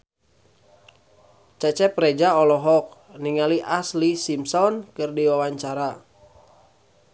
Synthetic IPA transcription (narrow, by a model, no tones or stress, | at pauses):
t͡ʃɛt͡ʃɛpɾɛd͡ʒaɔlɔɦɔk̚ | niŋaliʔaslisimsɔnkɨrdiwawaɲt͡ʃaɾa